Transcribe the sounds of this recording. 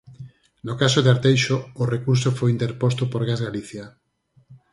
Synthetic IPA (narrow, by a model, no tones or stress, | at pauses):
nokasoðeaɾt̪ejʃoːrekuɾsofojint̪eɾpost̪opoɾɣazɣaliθja